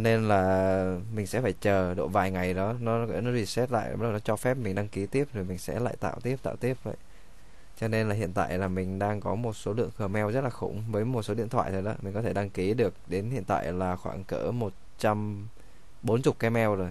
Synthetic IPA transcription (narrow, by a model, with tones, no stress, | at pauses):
ɔ˧ne˧nlaː˨˩mï˨˩ŋ̟sɛ̰˧˥faː˧˩jt͡ɕəː˨˩ɗo̰˧˨vaː˨˩jŋa˨˩jɗɔ˨˦nɔ˨˦˧nɔ˨˦i˧˨˩sɛ˦˥t̚la̰ː˧˨jʔnɔ˨˦t͡ɕɔ˧fɛ˦˥p̚mï˨˩ŋ̟ɗa˧ŋki˨˦t̪i˦˥əp̚zo˨˩jmï˨˩ŋ̟sɛ̰˧˥la̰ː˧˨jt̪a̰ː˧˨wt̪i˦˥əp̚t̪a̰ː˧˨t̪i˦˥əp̚və̰˧˨j | t͡ɕɔ˧ne˧nlaː˨˩ɦḭ˧˨ənt̪a̰ː˧˨jlaː˨˩mï˨˩ŋ̟ɗaː˧ŋkɔ˨˦mo˨˩t̚so˨˦lɨ̰˧˨əŋkɨ˨˩mɛ˧wzə˦˥t̚laː˨˩xʊ̰˧˩ŋ͡mvəː˨˦jmo˨˩t̚so˨˦ḭ˧˨nt̪ʰwa̰ː˧˨jt̪ʰo˨˩jɗɔ˨˦mï̟˨˩kɔ˨˦t̪ʰe˧˩ɗa˧ŋki˨˦ɗɨ˨˩ək̚ɗe˨˦nhḭ˧˨ənt̪a̰ː˧˨jlaː˨˩xwaː˧˩ŋkə̰ː˧˥˩mo˨˩t̚t͡ɕa˧m | ɓo˨˦nt͡ɕʊ˨˩k͡p̚kɛ˧mɛ˧wzo˨˩j